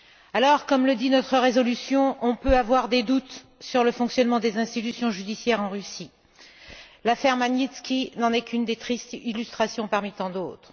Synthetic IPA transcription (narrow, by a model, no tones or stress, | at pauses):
alɔʁkɔmləd̪inɔt̪χəʁezɔlysjɔ̃ʔɔ̃pøavwaʁd̪ed̪ut̪ | syʁləfɔ̃ksjɔnmɑ̃d̪ezɛ̃st̪it̪ysjɔ̃ʒyd̪isjɛʁɑ̃ʁysi | lafɛʁmanit̪skʲinɑ̃nɛkʲynd̪et̪χist̪ilyst̪χasjɔ̃paʁmit̪ɑ̃d̪oːt̪χ